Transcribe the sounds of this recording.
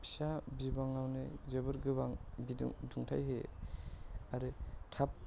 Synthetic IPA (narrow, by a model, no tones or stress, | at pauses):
pi̥sabibaŋawnɯ̰zɯbɯɾɡɯbaŋbid̰ŋduŋtʰajɦe | aɾɯtʰap̚